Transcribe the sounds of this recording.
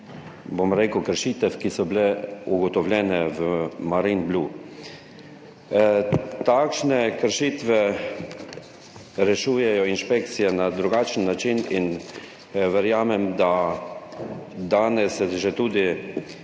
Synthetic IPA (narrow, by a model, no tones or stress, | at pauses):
bomɾeːkəwkəɾʃit̪ɛfkisɔblɛuɡɔt̪ɔwlʲjɛːnɛʋəmaɾinblʲu | t̪akʃnɛkəɾʃiːt̪ʋɛ | ɾɛʃuːjɛjɔinʃpɛk̚t̪sijɛnad̪ɾuɡaːt͡ʃn̩ːat͡ʃinin | ʋɛɾjaːmɛmd̪a | d̪aːnɛsɛʒɛt̪uːd̪i